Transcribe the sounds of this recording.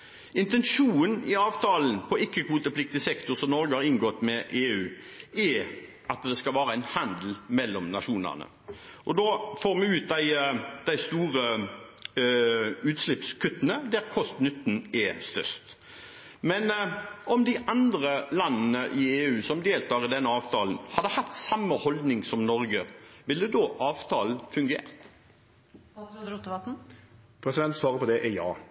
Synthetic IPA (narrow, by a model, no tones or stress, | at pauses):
ɪnt̪ɛnʂuːnnɪɑːʋt̪ʰɑːlən̩pʰɔʔɪkːəkʰʋuːt̪əplɪk̚t̪ɪsɛkt̪ʊʁsɔmnɔɾɡəhɑʁɪŋɡɔt̪ːmɛʔeːʉː | ɛ | ʔɑt̪d̪ɛskɑlʋæːɾəæɪnhɑnd̪l̩mɛlːɔmnɑʃuːnə̰ʁnə̰ | ʔɔd̪oːfoːʁmɛʉːt̪̚d̪æɪd̪æɪst̪uːʁə | ʉːt̪slɪpskʰʉt̪ːənəd̪æʁkʰɔst̪nʏt̪ːn̩ɛst̪œ̰ɾst̪ | mɛnɔmd̪ɪʔɑnd̪ʁəlɑnːnəʔɪeːʉːsɔmd̪eːlt̪ʰɑːʁɪd̪ɛnːəɑːʋt̪ʰɑːln̩hɑd̪əhɑt̪ːsɑmːəhɔld̪nɪŋsɔmnɔɾɡəʋɪlːəd̪oːʔɑːʋt̪ʰɑːln̩fʉŋɡḛːʁt̪ | t̪ʋɑt̪n̩ | pʰɾɛsɪd̪ɛnt̪sʋɑːʁəpʰɔd̪ɛʔɛjɑ̰ː